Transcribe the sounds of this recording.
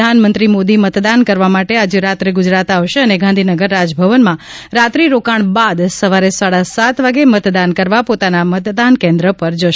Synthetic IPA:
anmənt̪ɾimod̪imət̪d̪ankəɾʋamaʈead͡ʒeɾat̪ɾeɡud͡ʒɾat̪aʋʃeəneɡʱãnd̪ʱinəɡəɾːad͡ʒbʱəʋənmã | ɾat̪ɾiɾokaɳbad̪səʋaɾesaɽasat̪ʋaɡemət̪d̪ankəɾʋapot̪anamət̪d̪ankɛ̃nd̪ɾəpəɾd͡ʒəʃ

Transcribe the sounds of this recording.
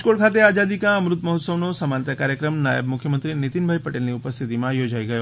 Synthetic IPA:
koɭkʰaːt̪̬eaːd͡ʒaːd̪ikãɐmɾʊt̪mɐɦʊt̪səʋnosɐmant̪akaːɾjəkɾəmna̰jə̰bmʊkʰjəmə̃nt̪ɾinɪt̪inbʱajpɐʈelniʊpəst̪ʰit̪imãjod͡ʒaiɡɐjo

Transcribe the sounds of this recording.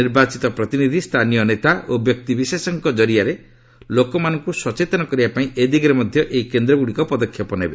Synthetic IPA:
niɾbat͡ʃit̪ɔpɾɔt̪inid̪ʱist̪ʰanijɔnet̪aʔobjɔk̚t̪ibisesɔŋkɔd͡ʒɔɾiaɾe | lokɔmanɔŋkuswɔt͡ʃet̪ɔnɔkɔɾibapaĩʔed̪iɡɾemɔd̪ʱjɔʔeikend̪ɾɔɡuɽikɔpɔd̪ɔkʰːjɔpɔnebe

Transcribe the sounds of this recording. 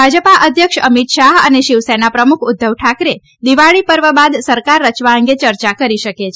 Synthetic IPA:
bʱad͡ʒəpaʔəd̪ʱjəkʃəmit̪ʃaɦəneʃiʋsɛnapɾəmukʰʊd̪ʱːəʋʈʰakɾe | d̪iʋaɭipəɾʋəbad̪səɾkaɾːət͡ʃʋaə̃ŋɡet͡ʃəɾt͡ʃakəɾiʃəket͡ʃʰe

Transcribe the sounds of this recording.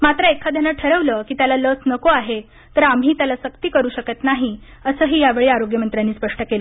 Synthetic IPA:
mat̪ɾəekʰad̪ʱjanəʈʰəɾəʋləkiːt̪jalalət͡snəkoaɦe | t̪əɾam̤iːt̪jalasəkt̪iːkəɾuːɕəkət̪naɦi | əsəːɦiːjaʋeɭeːaɾoɡjəmənt̪ɾjaniːspəʂʈəkelə

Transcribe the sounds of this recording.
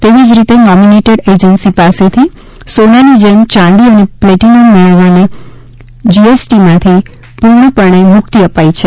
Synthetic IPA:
t̪eʋid͡ʒɾit̪enɔmineʈəɽed͡ʒənsipaset̪ʰi | sonanid͡ʒemt͡ʃãnd̪iənepleʈinonməɭ̃əʋane | d͡ʒiesʈimãt̪ʰi | puɾɳəpəɳ̃emʊk̚t̪iəpait͡ʃʰe

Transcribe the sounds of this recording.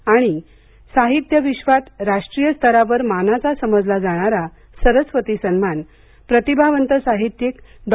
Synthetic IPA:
aɽ̃i | saɦit̪jəʋiɕʋat̪ɾaʂʈɾijəst̪ʰəɾaʋəɾmanat͡sasəməd͡zlad͡zaɽ̃aɾa | səɾəsʋət̪isənman | pɾət̪ibʱaʋənt̪əsaɦit̪jekd̪

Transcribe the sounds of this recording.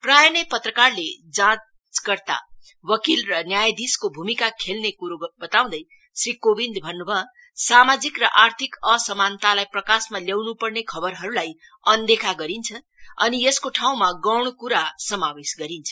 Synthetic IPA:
prajʌnepʌt̪rʌkarled͡zã | t͡sɡʌrt̪a̰ | wʌkilrʌnjajd̪iskobʱumikakʰelnekuɾobʌt̪aw̃d̪ʌj | srikobind̪bʱʌnːubʱʌ | samad͡zikrʌʔart̪ʰikʌsʌmant̪alajprʌkasmaljawnupʌrnekʰʌbʌrɦʌɾulaj | ʌnd̪ekʰaɡʌɾint͡sʰʌ | ʌnieskoʈʰaw̃maɡʌwɽ̃okuɾasʌmawesɡʌɾint͡sʰʌ̥

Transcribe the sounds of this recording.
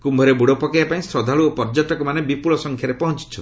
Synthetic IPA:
kumbʱɔɾebuɽɔpɔkiapaĩsɾɔd̪ʱaɭuopɔɾd͡ʒɔʈɔkɔmanebipuɭɔsɔŋkʰjaɾepɔɦɔnt͡ʃi̥t͡ʃʰɔn

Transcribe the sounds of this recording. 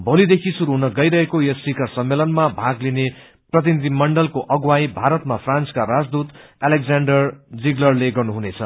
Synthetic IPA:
bʱolid̪ekʰisuɾuɦunʌɡʌjɾʌɦekojʌsikʌrsʌmːelʌnmabʱaɡline | prʌt̪inid̪ʱimʌɳɖʌlkoʔʌɡwajbʱaɾʌt̪̚mapʰrant͡skaɾad͡zd̪ut̪aleɡd͡zaɳɖʌrd͡ziɡlʌrleɡʌrnuɦunet͡sʰʌ̰

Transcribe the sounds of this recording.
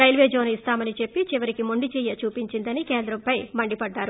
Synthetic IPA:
ɾɐjlʋeːd͡ʒoːnist̪aːmɐnit͡ʃe̞pːit͡ʃiʋɐɾikimoɳɖit͡ʃɛːjɐt͡ʃuːpiɲt͡ʃind̪ɐnikɛːnd̪ɾɐmpɐjmɐɳɖipɐɖːaːɾu

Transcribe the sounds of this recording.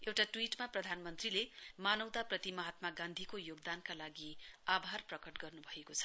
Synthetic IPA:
ewʈaʈwiʈmaprʌd̪ʱanmʌnt̪rilemanʌwd̪aprʌt̪imʌɦat̪maɡãnd̪ʱikojoɡd̪ankalaɡiabʱarprʌkʌʈɡʌrnubʱʌekot͡sʰʌ̥

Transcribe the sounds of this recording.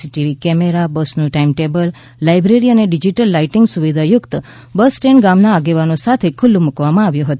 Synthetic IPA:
iʈiʋikɛmeɾabəsnũʈaimʈebəlː | ajbɾeɾiəneɖid͡ʒiʈəlːaiʈɪŋɡsuʋid̪ʱajʊkt̪ | bəsʈeɳɡamnaːɡeʋanosat̪ʰekʰʊlːũmukʋamãaʋjũɦət̪u

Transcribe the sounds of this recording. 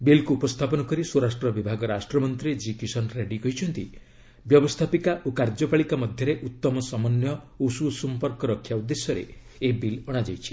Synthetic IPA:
bilkuːpɔst̪ʰapɔnɔkɔɾisoɾasʈɾɔbibʱaɡɔɾasʈɾɔmɔnt̪ɾid͡ʒikisɔnɾeɖikɔɦit͡ʃʰɔnt̪i | bjɔbɔst̪ʰapikaʔukaɾd͡ʒɔpaɭikamɔd̪ʱjɔɾeʔut̪ːɔmɔsɔmɔnjɔ | ususɔmpɔɾkɔɾɔkʰːjaud̪ːesjɔɾḛːbilɔɽ̃ad͡ʒajt͡ʃʰi̥

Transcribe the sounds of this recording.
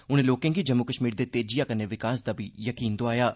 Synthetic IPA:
ʊnẽːloːkẽŋɡiːd͡ʒəmːukəʃmiːɾd̪eːt̪eːd͡ʒijaːkəneːʋɪkaːsd̪aːbʱiːjəkiːnd̪oaːjaː

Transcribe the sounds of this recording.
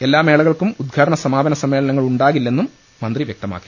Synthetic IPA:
e̞lːaːme̞ːɭɐɣɐɭkumud̪̚ɡʱaːɽɐɳɐsɐmaːbɐnɐsɐmːe̞ːɭɐnɐŋːɐɭuɳɖaːɣilːe̞nːumː | ɐnd̪riʋjek̚t̪ɐma̰ːkːi̥

